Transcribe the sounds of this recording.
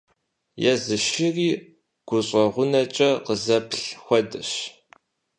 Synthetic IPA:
jɛzɨʃɪriː | ɡ̥ʷʊɕʼɐʁʷʊnɐt͡ʃʼɐqəzɐpɬxʷɔdɨɕ

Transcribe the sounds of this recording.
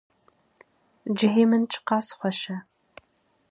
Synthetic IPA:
d͡ʒɪɦeːmɨnt͡ʃʼqɑːsχʷɔʃɐ

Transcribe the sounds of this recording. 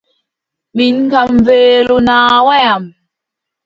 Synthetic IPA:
minkamveːlunaːwajam

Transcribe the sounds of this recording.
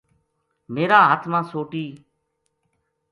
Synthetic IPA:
meːɾaːɦət̪ʰmãːsoːʈiː

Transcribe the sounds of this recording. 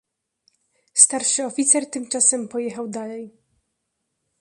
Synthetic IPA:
st̪aɾʂɘɔfʲit̪sɛɾt̪ɘmt͡ʂasɛmpɔjɛxawd̪alɛj

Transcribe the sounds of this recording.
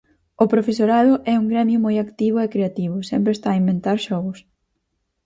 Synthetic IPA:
ʊpɾofesoɾaðʊʔɛuŋɡɾɛmjʊmojakt̪iβʊekɾeat̪iβʊsɛmpɾeːst̪aːimbent̪aɾʃɔɣʊs

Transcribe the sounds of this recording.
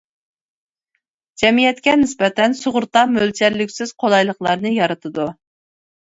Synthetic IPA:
d͡ʒɛmijɛt̪kʲɛnɪspɛt̪ʰɛnsoʁʊɾt̪ɑmølt͡ʃʰɛɾlykʲsɪz̥qʰolˠɑjlˠəχlˠɑɾnɨjɑɾɨt̪ʰɨd̪u

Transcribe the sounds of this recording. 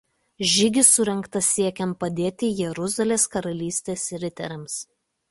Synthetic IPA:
ʒʲɪɡʲɪsʊɾʲɛŋkt̪ɐiɛkʲɛnt̪̚pɐd̪ʲeːt̪ʲɪjɛɾʊzɐlʲeːskɐɾɐlʲiːsʲt̪ʲeːsɾʲɪt̪ʲɛ̰ɾʲɛms

